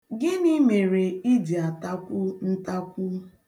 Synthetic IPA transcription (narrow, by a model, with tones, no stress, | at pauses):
ɡɪ˦ni˦me˨ɾe˨i˦di˨a˨ta˦kʷʊ˦n̩˦ta˦kʷʊ˦